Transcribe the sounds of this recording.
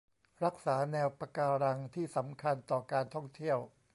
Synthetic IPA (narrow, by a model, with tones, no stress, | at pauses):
ɾa˦˥k̚saː˩˦nɛː˧wpa˧kaː˧ɾa˧ŋt̪ʰiː˥˩sa˩˦mkʰa˧nt̪ɔː˨˩kaː˧nt̪ʰɔ˥˩ŋt̪ʰi˥˩əw